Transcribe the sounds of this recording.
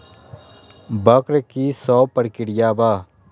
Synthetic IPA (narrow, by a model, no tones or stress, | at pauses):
bɐkɾkisɔːpɐɽkɪɽɪjaːbaː